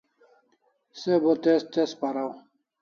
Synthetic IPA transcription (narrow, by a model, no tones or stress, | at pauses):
sebot̪est̪espaɾaw